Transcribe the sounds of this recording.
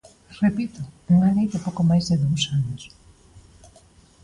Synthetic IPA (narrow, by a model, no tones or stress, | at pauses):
repit̪ʊeŋanejðɪpowkomajzðɪðowsanos